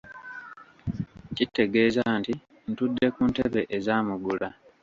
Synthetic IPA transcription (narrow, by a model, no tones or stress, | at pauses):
citːe̞ɡe̞ːzanti | n̩tudːe̞kunteβe̞ʔezaːmuɡula